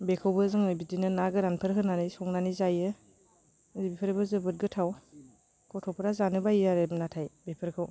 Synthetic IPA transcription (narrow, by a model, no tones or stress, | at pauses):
bekʰɯwbɯzɯŋɯbidinɯnaɡɯɾanpʰɯɾɦɯnanisɔŋnanizajɯ | zibipʰɯɾebɯzɯbɯt̚ɡɯtʰaw | kɔtʰɔpʰɯɾazanɯbaiaɾemnatʰajbepʰɯɾkʰɯw